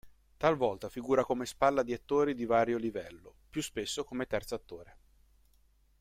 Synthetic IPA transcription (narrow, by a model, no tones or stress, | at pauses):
t̪alvɔlt̪afiɡuːɾakomespalːad̪iat̪ːoːɾid̪ivaːɾjolivɛlːopjuspesːokomet̪ɛrt̪soat̪ːoːɾe